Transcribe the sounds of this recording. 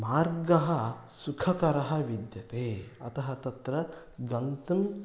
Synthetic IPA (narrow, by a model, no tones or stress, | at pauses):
maːɾɡɐɦɐsukʰɐkɐɾɐɦɐ̆ʋid̪jɐt̪eːɐt̪ɐɦɐt̪ɐt̪ɾɐ | ɡɐnt̪um